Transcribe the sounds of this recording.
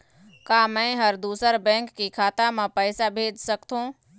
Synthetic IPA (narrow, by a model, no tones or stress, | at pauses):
kaːmɛ̃ɦəɾd̪uːsəɾbɛ̃ːŋkːikʰaːt̪amẽpəːsabʱeːd͡ʒsəkt̪ũː